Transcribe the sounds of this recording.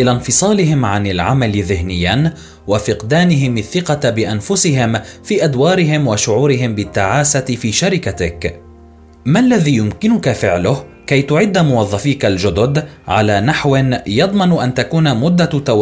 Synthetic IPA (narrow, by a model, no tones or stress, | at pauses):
ʔɪlanfɨsˤɑːlɪɦɪmʕanɪlʕa̰malɪðɪhnɪjːan | wafɪqd̪aːnɪɦɪmaθːɪqɑbɪʔanfʊsɪɦɪmfiːʔad̪wɑːɾɪɦɪmwaʃʊʕuːɾɪɦɪmbɪt̪ːaʕaːsat̪ɪfiːʃaɾɪkat̪ɪk | malːaðiːjʊmkɪnʊkafɪʕlʊh | kajt̪ʊʕɪd̪ːamʊwɑðˤːɑfiːkald͡ʒʊd̪ʊd̪ʕa̰laːnaħwɪnjɑd̪ˤmɑnʔant̪akuːnamʊd̪ːat̪aw